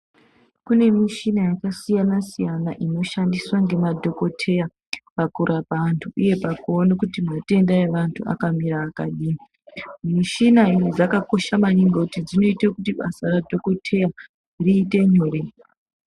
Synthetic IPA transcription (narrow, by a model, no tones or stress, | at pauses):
kune̞miʃinajakasijanasijanaʔino̞ʃandiswaŋɡe̞madʱo̞ko̞tʰe̞ja | pakuɾʔapaantʰuʔuje̞pakuonekutimnote̞ndaeʋantʰua̰kamiɾaːkaɗiːmi | miʃinainod͡zakako̞ʃamaɲiŋɡokutid͡zino̞itakutiɓasaradʱo̞ko̞tʰe̞ja | riːte̞ɲoːre